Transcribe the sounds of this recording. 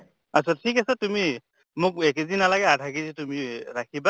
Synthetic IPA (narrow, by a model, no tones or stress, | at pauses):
asɔtʰikasatumi | muk̚ɛkezinalaɡɛadʱakezitumiɾakʰiba